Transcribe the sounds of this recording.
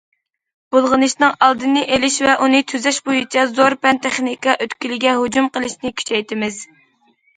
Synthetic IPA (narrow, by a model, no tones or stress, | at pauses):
b̥olˠʁənɨʃnɨŋɑlˠd̪ɨnɨʔelɪʃvɛʔunɨt̪ʰyzɛʃbojut͡ʃʰɛzoɾpɛnt̪ʰɛχnikɑʔøt̪kʲilɪɡʲɛɦod͡ʒumqəlˠɨʃnɪkʲʰy̥t͡ʃʰɛjt̪ʰɪmɪz